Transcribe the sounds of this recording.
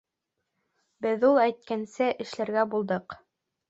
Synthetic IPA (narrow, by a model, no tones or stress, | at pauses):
bɘðulˠæjt̪̚kænsɘʔɘ̆ʃlæɾɡæbulˠd̪ɤq